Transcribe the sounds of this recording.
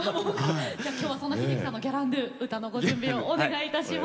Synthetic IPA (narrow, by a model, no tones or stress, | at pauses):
mokad͡ʑaːkʲjoːβaso̞nːaçiiki̥sãnːoɡʲaɾãnd̪ɯɯ̟t̪ano̞ɡo̞d͡ʑɯ̃mbʲĩoːneɡait̪aɕim